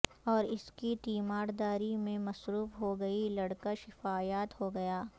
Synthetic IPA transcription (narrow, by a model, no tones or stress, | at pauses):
ɔːɾɪskit̪iːmaːɾd̪aːɾimẽmɐsɾuːfɦoɡɐilɐɽkaʃɪfaːjaːt̪ɦoɡɐjaː